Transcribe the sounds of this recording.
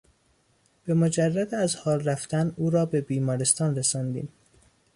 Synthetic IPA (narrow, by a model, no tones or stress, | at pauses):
b̥e̞mod͡ʒærːæd̪æzhɒːlɾæft̪ʰænuːɾɒːbe̞biːmɒːɾest̪ɒːnɾesɒːnd̪ḭːm